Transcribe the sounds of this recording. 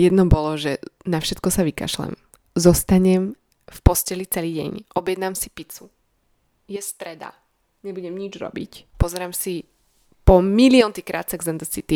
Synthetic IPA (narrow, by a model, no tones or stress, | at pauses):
jɛd̪nɔbɔlɔʒɛnafʃɛt̪̚kɔsaʋika̰ʃlɛ̰m | zɔst̪aɲɛm | fpɔscɛlit͡sɛliːɟɛ̰ɲʔɔbjɛd̪naːmsi̥pit͡su | jɛst̪ɾɛd̪a̰ | ɲɛbuɟɛmɲid͡ʒɾɔ̰bḭcpɔzɛɾaːmsi | pɔmiliɔnt̪ikɾʔa̰ːt̪t͡sɛɡzɛnd̪əsit̪i